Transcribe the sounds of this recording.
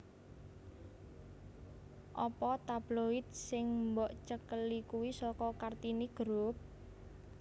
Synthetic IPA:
ʔɔpɔt̪ab̥loɪt̪̚sɪŋmbɔʔt͡ʃəkəlikuwisɔkɔkart̪iniɡ̥ɾop̚

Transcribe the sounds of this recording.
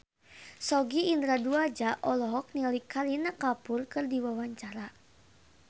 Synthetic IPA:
sɔɡiːnd̪ɾaduad͡ʒaʔɔlɔɦɔk̚nilikʰːalinakapʊrkɨrdiwawaɲt͡ʃaɾa

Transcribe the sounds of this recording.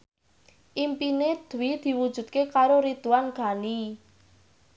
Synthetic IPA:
ʔimpined̪̥uwid̪̥i̤wud̥ʒ̥ṳd̪̥̚kekaɾoɾid̪uwanɡ̥a̤ni

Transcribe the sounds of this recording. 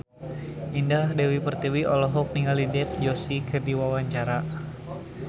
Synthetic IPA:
ʔindahdɛwipərt̪iwiʔɔlɔɦɔk̚niŋalidɛfd͡ʒosikɨrdiwawaɲt͡ʃaɾa

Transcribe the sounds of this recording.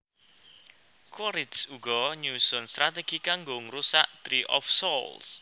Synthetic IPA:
kɔɾɪt̪suɡ̥ɔɲusɔnst̪ɾat̪eɡ̥ikaŋɡoŋɾusaʔt̪ɾiʔɔ̰fsɔls

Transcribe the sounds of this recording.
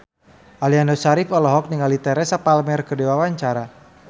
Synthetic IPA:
ʔalianɔsaɾifɔlɔɦɔk̚niŋalit̪ɛɾɛsapalmɛrkədewawaɲt͡ʃaɾa

